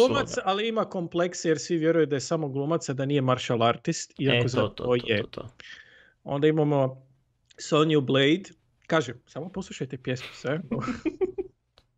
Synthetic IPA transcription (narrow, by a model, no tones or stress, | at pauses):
ɡluːmat̪saliimako̞mpleksejeɾsʋiʋjeɾujud̪ajesamo̞ɡlˠumat̪sad̪aniːjemaɾʃalˠaɾt̪ist̪iakkozaoje | o̞nd̪aimamo̞ | solnjublejd̪ | kaːʒesaːmoposlˠuʃajt̪epjesmu̥sʋeo